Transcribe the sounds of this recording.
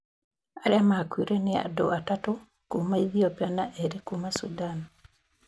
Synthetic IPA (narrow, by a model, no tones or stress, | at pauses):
aɾjamakwiɾenɪa̰do̰atato | kumaiðiɔpjanaʔeɾekumasudan